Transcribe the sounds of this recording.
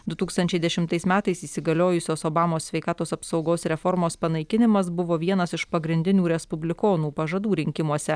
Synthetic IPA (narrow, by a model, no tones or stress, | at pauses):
d̪ʊt̪uːkst̪ɐnʲt͡ʃʲɛɪd̪ʲɛʃʲɪmt̪ɐɪsmʲæːt̪ɐɪsiːsʲɪɡɐlʲoːjʊsʲoːsoːbɑːmoːsʲʋʲɛɪkɑːt̪oːsɐpsɒʊɡoːsɾʲɛfɔɾmoːspɐnɐɪkʲɪnʲɪmɐs̬bʊʋoːʋʲiɛnɐsɪʃpɐɡɾʲɪnʲd̪ʲɪnʲuːɾʲɛspʊbʲlʲɪkoːnuːpɐʒɐd̪uːɾʲɪŋʲkʲɪmuɔsʲɛ